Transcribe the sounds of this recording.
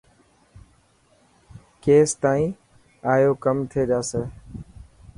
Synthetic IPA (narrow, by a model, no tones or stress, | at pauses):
keːst̪aːĩː | aːjoːkəmt̪ʰeːɗaːseː